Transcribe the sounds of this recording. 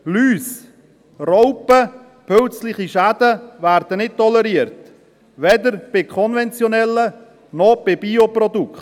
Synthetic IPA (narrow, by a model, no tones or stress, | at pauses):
lyːs | rɔʊpə | pʰølt͡slɪχiʃæd̥əvæɾd̪ənɪt̚tɔləɾiəɾt | ʋɛd̪əɾb̥ɪkʰɔnvɛnt͡sjɔnɛlːə | nɔb̥ɪbiopɾɔd̪ukχt